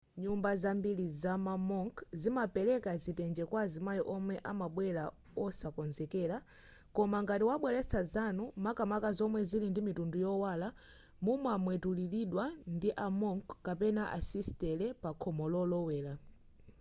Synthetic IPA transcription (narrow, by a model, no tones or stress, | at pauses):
ɲumbazambilizamamɔŋkzimapɛlɛkazitɛnd͡ʒɛkwazimajɔʔɔmwɛʔamaɓwɛla | ɔsakɔnzɛkɛɾa | kɔmaŋɡatiwaɓwɛlɛt͡sʰazanumakamakazɔmwɛzilindimitundujɔwala | mumwamwɛtuliliɗwandiʔamɔŋkkapɛnaʔa̰sistɛlɛpakʰɔmɔlɔlɔwɛːla